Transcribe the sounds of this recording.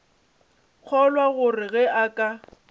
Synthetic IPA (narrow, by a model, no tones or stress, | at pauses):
k͡xʰɔlwaɣʊrɪɣɛʔakʼa